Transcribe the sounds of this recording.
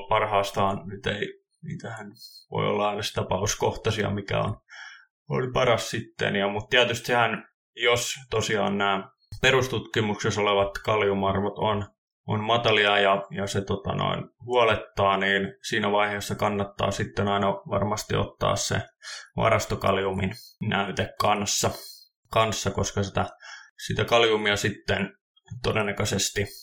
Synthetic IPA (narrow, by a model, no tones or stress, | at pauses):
pɑrhɑːst̪ɑːnnyt̪ei | nḭːt̪æhænʋo̰io̰lːɑɑinɑsi̥t̪æpɑuskoht̪ɑsiɑ̰mikæ̰o̰n | o̰lipɑrɑssit̪ːḛnjɑmut̪t̪iæt̪yst̪sehæn | jost̪osiɑ̰ːnnæː | peɾust̪ut̪kimuksesoleʋɑt̪kɑljumɑrʋot̪on | onmɑt̪ɑliɑjɑjɑset̪ot̪ɑ̰no̰inhuɑlet̪ːɑːniːnsiːnæʋɑiheːsːɑkɑnːɑt̪ːɑ̰ːsit̪ːenɑinɑʋɑ̰rmɑst̪ḭo̰t̪ːɑ̰ːssḛʋɑ̰ɾɑst̪okɑ̰ljumḭnnæyt̪ekkɑnsːɑ | kɑnsːɑkoskɑsit̪æsit̪ækɑljumiɑsit̪ːen | t̪odenːɑkøsest̪i